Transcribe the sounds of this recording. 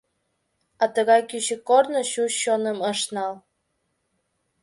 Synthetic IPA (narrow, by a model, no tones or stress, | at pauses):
ɑt̪əɣɑjkyɕə̆kornɤ̆ɕuɕːonəməʃnɑl